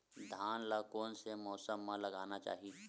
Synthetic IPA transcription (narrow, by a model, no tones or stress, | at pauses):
d̪ʱaːnlakoːnsemɔːsəmːãlɐɡaːnat͡ʃa̰ːɦiiː